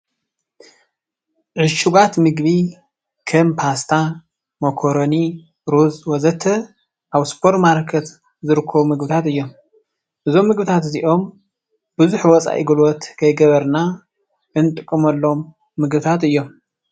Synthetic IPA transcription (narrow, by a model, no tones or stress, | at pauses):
ʕɨʃuɡat̪mɨɡbi | kʰɐmpʰast̪ʰa | mɐkʰoɾoni | ɾuzwɔzɐt̪ʰːɐ | ʔaβspʰoɾt̪maɾkʰɐt̪ | zɨɾɨkʰːɐβumɨɡbɨt̪ʰat̪ɨjːo̞m | ʔɨzo̞mːɨɡbɨt̪ʰat̪ziʔo̞m | b̥ɨzuħwɔt͡sʼa̰ʔjḭɡɨlwɔt̪kʰɐjɡɐβɐɾna | ʔɨnt̪ʼɨkʼːɨmɐlːo̞mː | ɨɡbɨt̪ʰat̪ɨjːo̞m